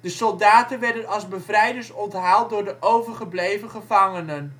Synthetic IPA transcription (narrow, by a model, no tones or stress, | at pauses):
d̥əsɔlˠdaːtənʋɛɹdənɑlˠzbəvrɛjdəɹsɔntɦaːlˠt̚dʊːɹdəʔowvəɹχəblejvənχəvɑŋənən